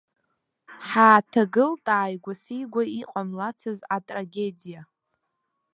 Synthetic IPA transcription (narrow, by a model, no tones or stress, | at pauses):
ħaːtʰaɡɨltʼaːjɡʷasijɡʷaiqʼamlat͡sʰazatʼraɡʲedija